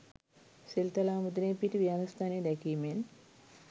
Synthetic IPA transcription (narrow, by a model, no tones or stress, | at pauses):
selt̪alaːmud̪uneːpiʈiʋianust̪ʰaːneːd̪ɛkiːmen